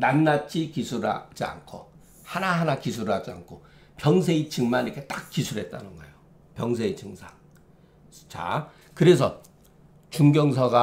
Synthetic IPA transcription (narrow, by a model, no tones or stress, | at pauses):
nanːat̚t͡ɕ͈ikisʰuɾa̰d͡ʑia̰nkʰo̰ | hanaɦanakisʰuɾɯɦad͡ʑia̰nkʰo | pjʌŋsʰeit͡ɕɯŋmanikʰet͈ak̚k͈ːisʰuɾɦe̞t̚t͈a̰nɯnɡʌejo | pjʌŋsʰeit͡ɕɯŋsʰaŋ | t͡ɕa̰ | kɯɾe̞s̬ʰʌ | t͡ɕuŋɡjʌŋsʰʌɡa